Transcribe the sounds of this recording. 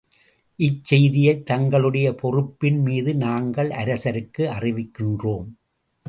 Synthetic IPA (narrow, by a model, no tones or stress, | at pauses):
ʔɪt͡ʃsːɛjðɪjɐɪt̪ːɐŋɡɐɭɯɽɐjɐpɔrɯpːɪnmiːðɯnaːŋɡɐɭʔɐɾɐsɐɾɯkːɯɐrɪʋɪkːɪndroːm